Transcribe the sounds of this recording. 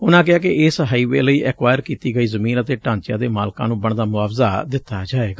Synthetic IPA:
ʊnãːk̬ɪaːkɪɪsɦəiːʋḛːləiːʔɛːkʋaːjəɾkiːt̪iːɡəiːzəmĩːnət̪eːʈãːɲt͡ʃɪjãːd̪eːmaːlkã̰ːnũːbəɳd̪aːmʊaːfzaːd̪ɪt̪ːaːd͡ʒaːeːɡaː

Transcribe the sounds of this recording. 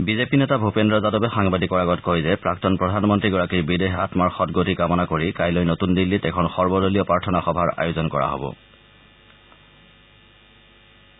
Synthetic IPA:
bizepinɛtabʱupendɹɔzadɔbɛxaŋbadikɔɹaɡɔtkojzɛpɹaktɔnpɹɔdʱanmɔntɹiɡɔɹakiɹbideɦatmaɹxɔtɡotikamɔnakoɹikajlojnotundilːitɛkʰɔnxɔɹbɔdoliɔpɹaɹtʰɔnaxɔbʱaɹa̰jʊzɔnkɔ̰ɹa̰ɦo̰bɔ̰

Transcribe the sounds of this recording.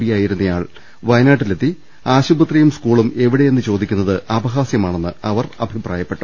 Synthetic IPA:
ijaːjiɾunːɐja̰ːɭ | ʋɐjnaːʈːilet̪ːi | aːɕubɐt̪rijumskuːɭume̞ʋiɽe̞jenːɨt͡ɕo̞ːd̪ikʲːunːɐðɨʔɐbɐɣaːsjɐmaːɳe̞nːɨɐʋɐrɐ̰bʱipraːjɐpːe̞ʈːu

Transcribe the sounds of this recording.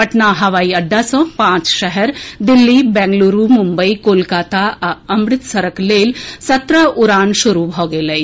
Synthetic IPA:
pɐʈnaɦɐʋaːiɐɖːasɔ̃pãːt͡ʃʃɐɦɛɾd̪ɪlːibɛ̃ːŋɡluːɾumʊ̃mbəikoːlkaːt̪aɐmɾɪt̪sɐɾəkleːlsɐt̪ɾaʊɾaːnʃʊɾubʱɦoɡelɐi

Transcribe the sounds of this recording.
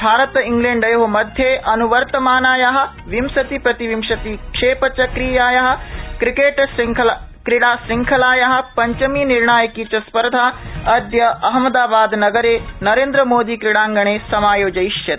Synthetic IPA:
bʱaːɾɐt̪iŋɡleːɳɖɐjoɦmɐd̪ʱjeːʔɐnuʋɐɾt̪ɐmaːnaːjaɦɐ̆ | ʋimsɐt̪ipɾɐt̪iʋimʃɐt̪ikʂeːpɐt͡ʃɐkɾiːjaːjɐɦɐ̆kɾikeːʈskʰ | kɾiɽaːsɾiŋkʰɐlaːjɐɦɐ̆pɐɲt͡ʃɐminiɾɳaːjɐkiːt͡ʃɐspɐɾd̪ʱaːɐd̪jɐʔɐɦɐmɐd̪aːbaːd̪nɐɡɐɾeːnɐɾeːnd̪ɾɐmoːd̪iːkɾiɽaːŋɡɐɳeːsɐmaːjoːd͡ʒɐiʃjɐt̪

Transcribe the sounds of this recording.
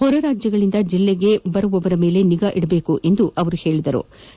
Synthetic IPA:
hɔɾɐɾaːd͡ʒjɐɡɐɭind̪ɐd͡ʒilːeɡe̞bɐɾuʋɔʋɐɾɐme̞ːle̞niɡaːʔiɽɐbe̞ːkuʔe̞nd̪uʔɐʋɐɾuhe̞ːɭid̪ɐɾṵ

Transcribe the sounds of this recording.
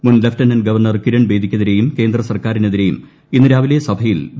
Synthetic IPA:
munleftɐnɐnɡɐʋɐrɳɐrkiɾɐɳbe̞ːd̪ʱikʲːɐðiɾe̞jumke̞ːnd̪rɐsɐrkaːɾineðiɾejṵm | inːuɾaːʋilɐjɐsɐbʱɐjil

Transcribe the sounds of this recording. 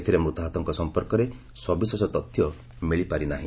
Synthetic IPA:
t̪ʰiɾemɾut̪ɔɦat̪ɔŋkɔsɔmpɔɾkɔɾe | swɔbiswɔsɔt̪ɔt̪ʰːjɔ | miɭipaɾinaɦĩ

